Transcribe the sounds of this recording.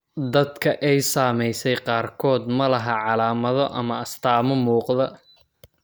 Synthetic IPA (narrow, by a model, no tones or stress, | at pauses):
d̪ɐd̪kʰɐʔɛjsaːmɛjsɛjqɑːrkʰɔːd̪mɐlɐɦɐʕɑlaːmɐðɔʔɐmɐɐst̪ʰaːmɔmuːqðɐ